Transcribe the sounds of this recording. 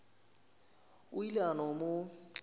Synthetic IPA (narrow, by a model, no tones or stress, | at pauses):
ʊilanɔmʊ